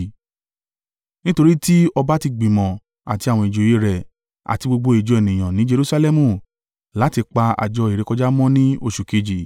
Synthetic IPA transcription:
nĩ˦to˧ɾi˦ti˦ɔ˧ba˦ti˧ɡ͡bĩ˨mɔ̃˨ | a̰˨ti˧a˨wɔ̃˧i˨d͡ʒo˨je˦ɾɛ˨ | a̰˨ti˧ɡ͡bo˧ɡ͡bo˧e˨d͡ʒɔ˨˧e˨nĩ˨j̃ã˨nĩ˨˦d͡ʒe˧ɾu˦sa˧lɛ˦˧mũ˧˨ | la˨˦ti˧k͡pa˧a̰˨d͡ʒɔ˧i˨ɾe˨˧kɔ˧d͡ʒa˦mɔ̃˦nĩ˦o˧˨ʃu˨ke˧d͡ʒi˨

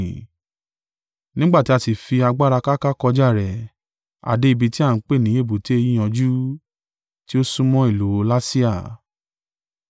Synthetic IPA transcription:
nĩ˦ɡ͡ba˦˨ti˦a˧si˨fi˧a˧ɡ͡ba˦ɾa˧ka˦ka˦kɔ˧d͡ʒa˦˨ɾɛ˨ | a̰˨de˧i˧bi˧ti˦a˦˨n̩˨˦k͡pe˦˨nĩ˨˦e˦˨bu˨te˦e˧ji˦j̃ã˧d͡ʒu˦ | ti˦o˦sũ˦mɔ̃˦i˦˨lo˨˦la˦si˦a˦˨

